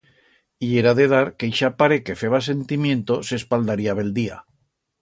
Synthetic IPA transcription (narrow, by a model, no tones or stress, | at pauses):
ie̞ɾaðe̞ðaɾkejʃapaɾeke̞fe̞βas̬e̞nt̪imjẽ̞nt̪ose̞spald̪aɾiaβe̞ld̪ia̰